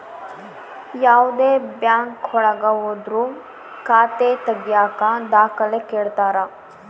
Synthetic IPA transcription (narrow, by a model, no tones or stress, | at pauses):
jaːʋd̪eːbjaːŋkɔɭɐɡɐɦoːd̪ɾu | kaːt̪et̪ɐɡijaːkad̪aːkɐlekeːɭt̪aːɾɐ